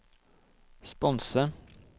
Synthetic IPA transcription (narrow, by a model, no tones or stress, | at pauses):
spɔnsə